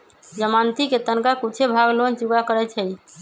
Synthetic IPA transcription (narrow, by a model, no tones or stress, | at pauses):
d͡ʒəmant̪iket̪ənkakut͡ʃʰebʱaɡlont͡ʃuɡakəɾɛt͡ʃʰəj